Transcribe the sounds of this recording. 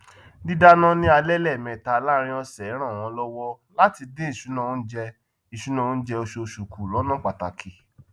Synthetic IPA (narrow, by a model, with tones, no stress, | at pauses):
di˦da˦nã˦nĩ˦a˧lɛ˦lɛ˦˨mɛ̃˨ta˧la˦˧ɾ̃ĩ˧˦ɔ˧sɛ˨˦ɾ̃ã˦˨w̃ɔ̃˧˦lɔ˦wɔ˦ | la˦ti˧dẽ˦i˦˨ʃu˨˦nã˦˨õ˨˦d͡ʒɛ˧ | i˨ʃu˨˦nã˦˧˨n̩˦d͡ʒɛ˧o˧ʃo˧ʃu˨ku˨lɔ˨˦nã˦k͡pa˨ta̰˨kʰi˨